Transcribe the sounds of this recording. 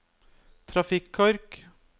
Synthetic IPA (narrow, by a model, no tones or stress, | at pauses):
t̪ʰɾɑfɪkʰɔɾk